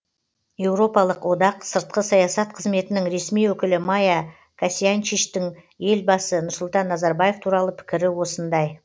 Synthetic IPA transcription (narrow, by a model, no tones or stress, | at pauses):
je̞wɾo̞pɑlˠəqwo̞d̪ɑqsəɾt̪̚qəsɑjɑsɑt̪̚qʰəzme̞t̪ɪnɪŋɾe̞smijwɵkʲɪlɪmaja | kʰasiant͡ʃiʃt̪ɪŋ | je̞lbɑsənʊɾsʊlˠt̪ɑnːɑzɑɾbaje̞ft̪ʰuɾɑlˠəpʰɪ̥kʲɪɾɪwo̞sənd̪ɑj